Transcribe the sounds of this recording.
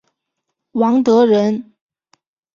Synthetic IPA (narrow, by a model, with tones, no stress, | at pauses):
wɑ˧˥ŋt̪ɤ˧˥ɻə˧˥n